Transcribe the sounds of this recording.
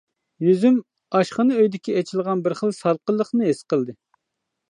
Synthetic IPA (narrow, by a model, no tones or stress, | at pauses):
jyzym | ɑʃχənɨøjd̪ɪkʲiɛt͡ʃʰilˠʁɑnbɪɾχəlˠsɑlˠqəlˠːəχnɨɦesqəlˠd̪ɨ